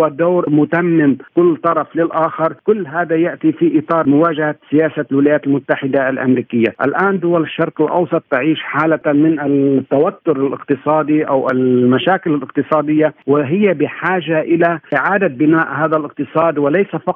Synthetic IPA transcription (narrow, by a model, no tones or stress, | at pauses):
ad̪oːɾmʊt̪amːɪmkʊlːt̪ˤɑɾˤɑflɪlʔaːxɑɾˤkʊlːɦaːd̪ajaʔt̪ifiʔɪt̪ˤɑːɾˤmʊwaːʒahasɪjaːsalwɪlajaːt̪ɪlmʊt̪ːaħɪd̪aalʔa̰mɾiːkɪjːa̰ʔa̰lʔaːnd̪ʊwalɪʃːɑɾˤqɪlʔɑ̰wsˤɑt̪ˤːɪʕiːʃħaːlamɪnat̪ːawat̪ːʊɾalʔɪ̰qt̪ɨsˤɑːd̪iʔawʔɪlmaʃaːkɪlalʔɪq̚t̪ɨsˤɑːd̪ɪjːawɪɦɪjːabɪħaːʒaʔɪlaʔɪʕaːd̪abɪnaːʔhaːðalʔɪq̚t̪ɨsˤɑːd̪wɪlajsafɑq